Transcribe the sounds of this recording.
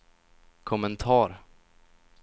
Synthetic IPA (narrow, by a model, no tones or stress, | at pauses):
kʰɔmɛnt̪ʰɑːɾ